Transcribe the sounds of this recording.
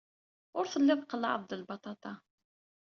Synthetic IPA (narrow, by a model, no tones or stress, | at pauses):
ʊɾθəlːɪðˤqəlːʕə̰ðˤd̪əlbɑt̪ˤɑt̪ˤɑ